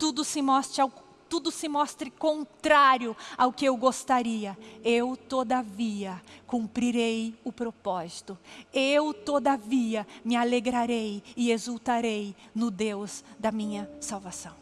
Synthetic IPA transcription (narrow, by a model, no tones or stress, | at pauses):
t̪ud̪ʊsɪmɔst̪aw | t̪ud̪ʊsɪmɔst̪ɾɪkõnt̪ɾaɾjʊaʊkɪewɡost̪aɾiɐewt̪od̪aviɐkũmpɾiɾejʊpɾopɔzit̪ʊewt̪od̪aviɐmɪaleɡɾaɾejɪezuwt̪aɾejnʊd̪ewzd̪ɐmĩɲɐsawvasɐ̃w̃